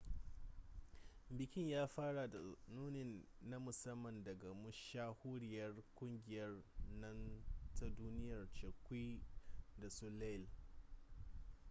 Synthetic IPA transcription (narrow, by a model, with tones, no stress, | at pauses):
bɪ˨kʲɪ˦ɲjaː˦ɸaː˦ɽa˨da˨nuː˦nɪ˨nː | a˦mʊ˨sɐ˦mːɐ˨ndɐ˨ɡa˨mʊ˦ʃaː˦hʊ˦ɽɪ˨jɐ˦rkʷʊ˦ŋɡʲɪ˨jɐ˦rnɐ˦ntʰa˦duː˦nɪ˦jɐ˨rt͡ʃɐ˨kʷiː˦da˨su˦le˦˨l